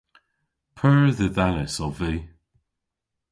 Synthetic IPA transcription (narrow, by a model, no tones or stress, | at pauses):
pʰəɹðəðanəsɔviː